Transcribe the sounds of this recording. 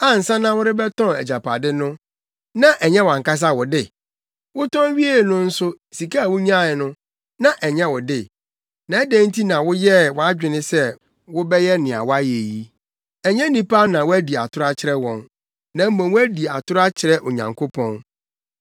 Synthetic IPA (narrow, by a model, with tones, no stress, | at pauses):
a˦n̩˨sã˦nã˦wʊ˦ɾɪ˦bɛ˦tʰɔ̃˦˨ɛ̰˨d͡ʑa˨pʰa˨dɪ˦nʊ̃˦ | nã˦ʔɛ˨ɲɛ̃˦wã˨ŋka˦s̬a˦wʊ˨dɪ˨ | wʊ˦tɔ̃˦n˦ɥi˦e˦˨nʊ̃˦n̩˦sʊ˦ | si˨kʰa˦˨wʊ˦ɲ˦ã˦˨ɪ˨nʊ̃˦ | nã˦ʔɛ˨ɲɛ̃˦wʊ˨dɪ˦˨ | nã˨˦ɛ˦dæ̃˦n̩˦tʰi˦nã˨wʊ˦jɛ˦wɔ˨a˦d͡ʑᶣɪ˨nɪ̃˦sɛ˦ | wʊ˦bɛ˦jɛ˦nɪ̃˨a̰˨wa˦je˨ji˦ | ɛ˨ɲɛ̃˦nĩ˨pʰa˦nã˨wʊ˦æ˦di˨a̰˨tʰʊ˦ɾa˦t͡ɕʰɪ˦ɾɛ˦wɔ̃˨n | nã˨m̩˦mã˨wæ˦di˨a̰˨tʰʊ˦ɾʊ˦a˦t͡ɕʰɪ˨ɾɛ˦ʔo˨ɲã̰˨ŋkʰo˦pʰɔ̃˦n